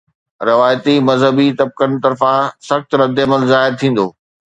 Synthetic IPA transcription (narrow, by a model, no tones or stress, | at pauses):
ɾɪʋaːjt̪imɐzɦəbit̪ɐb̚kəɽ̃t̪ɐɾfãsɐxt̪ɾɐd̪ɪɐməlzaːɪɾt̪ʰĩːn̆d̪oː